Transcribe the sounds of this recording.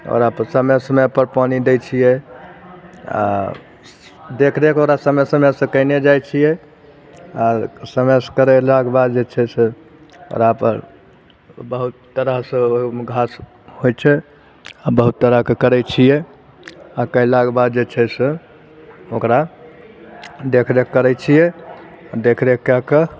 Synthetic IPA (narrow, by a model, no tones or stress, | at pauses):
ɔ̰ɾapəsəməsəməjpəɾpanid̪ejt͡ʃʰijɛ | a̰ | d̪ekʰɾɛkoɾasəməjsəməsə̃kəɪned͡ʒajt͡ʃʰijɛ | asəmeskəɾɛlaɡbad̪d͡ʒet͡ʃʰɛse | o̰ɾapəɾ | bəɦut̪ːəɾəɦsə̃omɡʱas | hojt͡ʃʰɛ | abəɦut̪ːəɾəɦkekəɾɛt͡ʃʰijɛ | akəjlaɡbad̪d͡ʒet͡ʃʰɛsẽ | okɾa | d̪ekʰɾekːəɾɛt͡ʃʰijɛ | ad̪ekʰɾekːeke